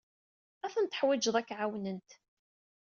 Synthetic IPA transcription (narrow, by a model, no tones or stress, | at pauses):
æθənt̪ə̥ħwɪd͡ʒðˤækːʕawnənt̪